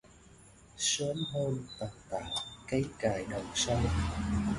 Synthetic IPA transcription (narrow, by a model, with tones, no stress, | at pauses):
sə˨˦nɦo˧nt̪a˨˩n̚t̪a̰ː˧˩˨wkə˨˦jkaː˨˩jɗə˨˩wŋ͡msa˧w